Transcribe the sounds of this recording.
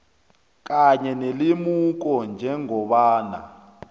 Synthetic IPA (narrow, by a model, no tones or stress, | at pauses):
k̬ʼaɲɛnelimuk̬ɔnd͡ʒʱɛŋɔɓaːna̰